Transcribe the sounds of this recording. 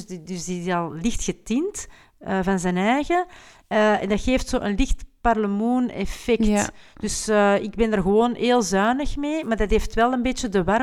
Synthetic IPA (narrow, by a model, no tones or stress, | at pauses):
dʏsdiɪzɑlˠlɪxtxətintː | vɑnzɛːnɛːjɣə | ɛ̰ndɑtxeːftsoːʔənlɪxtparləmuːnɛ̰fɛktd̥ʏsɪɡ̚bɛnərɣəʋoːneːlˠzœːnəxmeːmaːrdɑtɦeːftʋɛlˠənbeːtjədəʋar